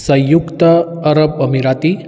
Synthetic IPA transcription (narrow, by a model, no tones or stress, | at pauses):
sə̃jjukt̪əː | ɾəbəmiɾat̪i